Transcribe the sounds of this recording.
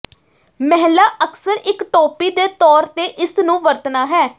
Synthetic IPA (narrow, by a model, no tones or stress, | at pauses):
mɛɦlaːʔəksəɾɪkʈɔːpiːd̪eːt̪ɔːɾt̪eːʔɪsnũːʋəɾt̪naːɦɛː